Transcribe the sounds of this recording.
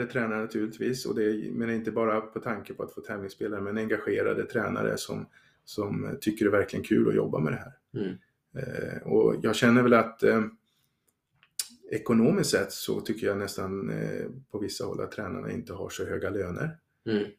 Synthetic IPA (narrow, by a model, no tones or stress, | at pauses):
dət̪ʰɾɛːnaɳat̪ʰʉ̟ːɭɪt̪viːsɔ̰d̪ɛmeːnaɾɪnt̪əbɑːɾapʰɔt̪ʰaŋkəpʰɔat̪foːt̪ʰɛːvnɪŋspeːlaɾəmɛnɛŋɡaɧeːɾa̰d̪ət̪ʰɾɛːna̰ɾə̰sɔ̰m | sɔmt̪ʰʏkːəɖɛvæɾklɪɡənkʰʉ̟ːlɔjɔ̰bːa̰mɛd̪ɛɦæːɾ | ɔ̰jɑːɡɕɛnːəɾvɛlat̪ | ɛkʊnoːmɪst̪sɛt̪ːsɔ̰t̪ʰʏkːəjanɛst̪anpʰɔvɪsːahɔ̰lːa̰t̪ʰːɾɛːna̰ɳa̰ɪ̰nt̪əɦa̰ʂɔɦøːɡaløːnə̰ɾ